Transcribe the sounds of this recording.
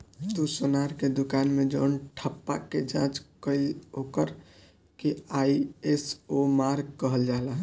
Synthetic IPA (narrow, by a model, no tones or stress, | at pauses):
t̪usonaɾked̪ukanmed͡ʒənʈʰəpːa̰ked͡ʒã̰t͡ʃkəiokəɾ | keaiesomaɾɡ̚kəɦəld͡ʒaɦlaɦ